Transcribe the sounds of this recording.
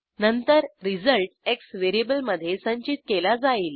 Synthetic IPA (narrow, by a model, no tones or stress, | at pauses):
nənt̪əɾɾid͡zəlʈeksʋeɾiebəlməd̪ʱːjesə̃ɲt͡ɕit̪̚kelad͡zaiːl